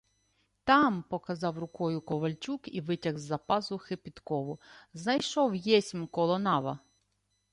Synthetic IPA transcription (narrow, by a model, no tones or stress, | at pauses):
t̪ɑmpɔkɐzɑwrʊkɔjʊkɔʋɐlʲt͡ʃukiʋɪtʲɐɣzːɐpɑzʊxepʲit̪kɔʋʊznɐjʃɔwjɛsʲmʲkɔlˠɔnɑʋɐ